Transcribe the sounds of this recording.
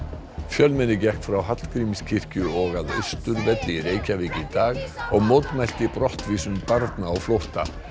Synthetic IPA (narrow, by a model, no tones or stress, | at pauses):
fjœlmɛnɪcɛhkt̪fɾawɦat̪lkɾiːmɪscʰɪr̥cʏɔɣaðœ̰ɥst̪ʏɾvɛt̪lɪireːjcaviːcɪt̪aːɣɔɣmowt̪majl̥t̪ɪpɾɔht̪viːsʏmpaɾt̪naːwflowht̪a̰